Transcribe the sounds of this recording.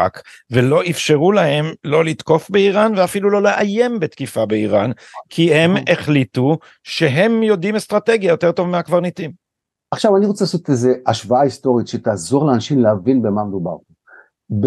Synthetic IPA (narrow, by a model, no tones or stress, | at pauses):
a̰kvelo̞ʔifʃe̞ʁulahe̞mlo̞lit̪ko̞fbeiʁanveafilulo̞leʔaje̞mbet̪kifabeiʁan | kʰihe̞meχlitu | ʃe̞ɦe̞mjo̞dimest̪ʁate̞ɡjajo̞t̪e̞ʁt̪o̞vameakvaʁnitim | aχʃavaniʁot͡selasot̪ezeaʃvaaist̪o̞ʁit̪ʃet̪aːzoʁleanaʃimleavinbemamed̪uba̰ʁo | b